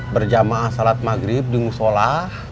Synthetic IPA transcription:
bərd͡ʒamaʔːsalat̪̚maɡɾɪp̚dimusolah

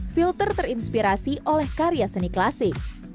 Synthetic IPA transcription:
filt̪ərt̪ərinspiɾasiʔolɛhkaɾijasəniklasɪk̚

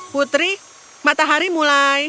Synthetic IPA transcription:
put̪ɾi | mat̪aɦaɾimulaj

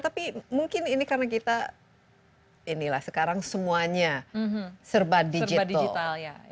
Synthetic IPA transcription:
t̪apimuŋkɪninikaɾənak̬it̪a | inilahsəkaɾaŋsəmuaɲa | sərbadid͡ʒiatd̪ailalja

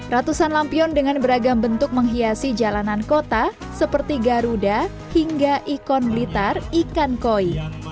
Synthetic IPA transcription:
rat̪usanlampiɔndəŋanbəɾaɡambənt̪ʊk̚məŋɦiasid͡ʒalanankot̪a | səpərt̪iɡaɾuda | hiŋɡaʔikɔnmilit̪arikankoi

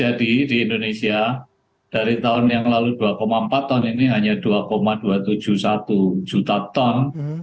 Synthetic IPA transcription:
adidiindonesia | d̥aɾit̪aʊnjaŋlaluduakomaəmpat̪ːɔniniɦaɲad̥uakomad̥uat̪u̥d͡ʒ̥uhsat̪ud͡ʒ̥ut̪at̪ɔn

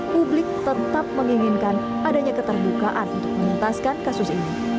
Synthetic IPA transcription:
publɪk̚t̪ət̪ap̚məŋiŋɪnkan | ʔadaɲakət̪ərbukaʔanunt̪ʊk̚mənənt̪askankasʊsini

